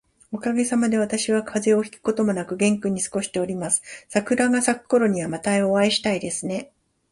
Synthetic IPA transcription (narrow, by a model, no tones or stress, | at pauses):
o̞kaɡe̞samad̪e̞β̞at̪aɕiβakʰaze̞o̞çʲi̥kɯ̥ko̞t̪o̞mo̞nakɯ̟ɡẽ̞ŋkɯ̟ɲ̟isɨ̥ko̞ɕi̥t̪e̞o̞ɾʲimasɨ̥sakɯ̟ɾaɡasakɯ̥ko̞ɾo̞ɲ̟iβamat̪aoβaiɕi̥t̪aid̪e̞sɨne̞